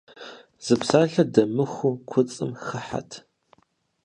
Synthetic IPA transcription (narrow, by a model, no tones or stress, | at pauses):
z̥ɨpsaːɬɐdɐmɨxʷukʷʰʊt͡sʼɨmxɨħa̰tʰ